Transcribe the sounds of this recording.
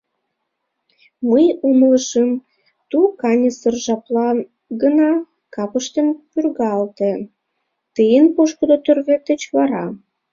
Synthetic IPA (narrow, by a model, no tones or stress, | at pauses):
məjumləʃəm | t̪ukɑnʲəsərʒɑplɑ | ɡənɑ | kɑpəʃt̪ənpyrɣɑlt̪ĕ | t̪əjənpoʃkə̆d̪ot̪ørβet̪ə̆t͡ɕβɑɾɑ